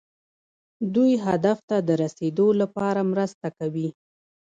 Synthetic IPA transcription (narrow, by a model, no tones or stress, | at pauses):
d̪ujɦad̪aft̪ad̪əɾased̪olapɑɾamɾəst̪akawi